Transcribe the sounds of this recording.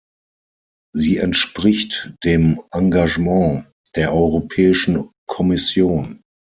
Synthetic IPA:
ziːɛntʃpʁ̥ɪçtd̥eːmʔãŋɡaʒmɑ̃ː | d̥eːɐʔɔʏʁopʰɛːɪʃn̩kʰɔmɪsjoːn

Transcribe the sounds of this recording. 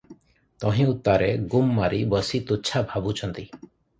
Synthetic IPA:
t̪ɔɦĩut̪ːaɾeɡumːaɾibɔsit̪ut͡ʃʰabʱabut͡ʃʰɔnt̪i

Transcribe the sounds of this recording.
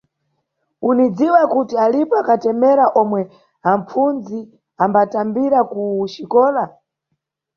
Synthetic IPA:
unid͡ziwakutialipɔakatɛmɛɾaʔɔmwɛ | aɱp͡fund͡zi | ambatambiɾakuʃikɔːla

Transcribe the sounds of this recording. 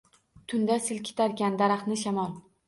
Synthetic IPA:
t̪ʰʊnd̪asɪlkʲʰɪ̥t̪ʰaɾkʲand̪aɾɑχnɪʃamɒlˠ

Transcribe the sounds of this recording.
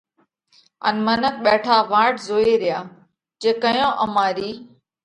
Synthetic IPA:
ə̰nmənək̚ɓɛːʈʰaːʋaːɾʈzoːeːɾɪjaː | d͡ʒeːkəjõːʔəmaːɾiː

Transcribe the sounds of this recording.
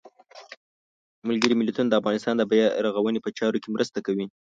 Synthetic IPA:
malɡəɾimɪlat̪unad̪əafɣɑnɪst̪ɑnd̪əbajaɾaɣawənepət͡ʃɑɾokemɾʔəst̪akawi

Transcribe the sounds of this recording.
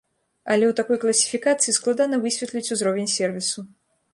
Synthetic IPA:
ɐlʲɛwt̪akɔjklˠɐsʲi̥fʲikat̪sɨjisklˠad̪anɐvɨsʲvʲɛt̪lʲit͡sʲuzɾɔvʲɛnʲsʲɛrvʲisu

